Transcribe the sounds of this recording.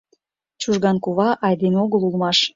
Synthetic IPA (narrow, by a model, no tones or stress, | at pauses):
t͡ɕuʒɣɑnkuβɑʔɑjd̪enoɣəlulˠmɑʃ